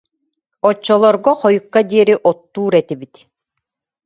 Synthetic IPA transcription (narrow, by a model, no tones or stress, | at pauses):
ɔt͡ɕːɔlˠɔɾɡɔχɔjukːad̪iɛɾiʔɔt̪ːuːɾɛt̪ibit̪